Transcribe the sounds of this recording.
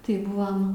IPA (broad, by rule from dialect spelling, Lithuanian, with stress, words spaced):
tɐɪ ˈbʊʋɐm